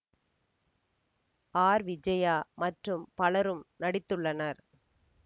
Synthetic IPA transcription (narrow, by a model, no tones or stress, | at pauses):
aːɾʋɪd͡ʒɐjaːmɐʈrɯmpɐlɐɾɯmnɐɽɪt̪ːɯɭːɐnɐɾ